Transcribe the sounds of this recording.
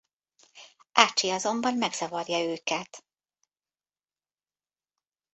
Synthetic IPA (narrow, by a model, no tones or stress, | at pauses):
ʔaːt͡ʃːiɒzo̞mbɒnmɛɡz̥ɒvɒrjɒøːkɛt̪